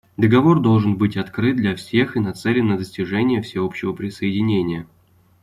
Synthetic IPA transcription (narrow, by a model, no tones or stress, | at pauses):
d̪əɡɐvo̞rd̪o̞lˠʐɨnbɨtʲɐt̪kɾɨt̪̚d̪lʲɐfsʲe̞xɨnɐt̪sɛlʲɪnːəd̪əsʲtʲɪʐɛnʲɪjəfsʲɪo̞pɕːɪvəpɾʲɪsəɪdʲɪnʲenʲɪjə